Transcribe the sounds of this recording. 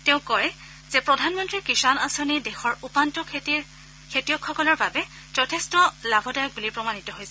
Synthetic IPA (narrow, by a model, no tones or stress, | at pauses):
teʊ̃kɔɹɛ | zɛpɹɔdʱanmɔntɹikisanasonidexɔɹupantɔkʰtiɹ | kʰetijɔkʰxɔkɔlɔɹbabɛ | zɔtʰestɔlabʱɔdajɔk̚bulipɹɔmanitɔɦojsɛ